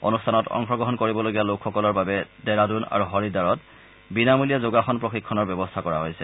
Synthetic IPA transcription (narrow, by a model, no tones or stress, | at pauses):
o̰nustʰanɔtɔ̰ŋxɔɡɹɔɦɔnkoɹibɔloɡialokʰːɔkɔlɔɹbabɛdɛɹaduna̰ɹuɦɔɹidaɹɔt | binamulijazoɡaxɔnpɹoxikʰːɔnɔɹbjɛbɔstʰakɔɹa̰ɦojsɛ̰